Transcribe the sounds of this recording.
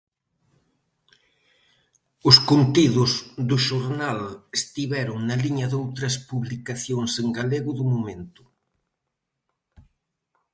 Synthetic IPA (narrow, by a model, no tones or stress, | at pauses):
ʊskunt̪iðʊzðʊʃoɾnalest̪iβɛɾʊŋnɐliɲɐðowt̪ɾɐspuβlikaθjoŋseŋɡaleɣʊðʊmomẽnt̪ʊ̥